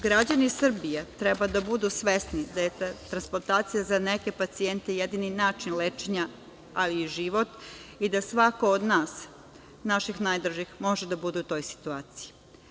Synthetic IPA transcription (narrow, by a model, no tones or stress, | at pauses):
ɡɾad͡ʑanisr̩bijet̪ɾebad̪abud̪usʋe̞snid̪aje̞t̪ɾansploɾt̪aːt̪sijazaneke̞pat̪sient̪ejed̪ininaːt͡ʃinlet͡ʃeɲa | aliːʒiʋot̪id̪asʋako̞od̪naːs | naʃixnajd̪ɾ̩ʒixmo̞ʒed̪abud̪ut̪o̞jsi̥t̪uaːt̪siji